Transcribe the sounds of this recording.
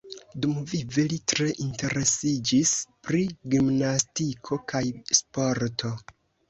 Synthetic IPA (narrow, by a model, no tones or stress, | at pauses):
dumvivelitɾe̞ʔinte̞ɾe̞sid͡ʒispɾiɡimnastikʰo̞kʰajspo̞ɾtʰo̞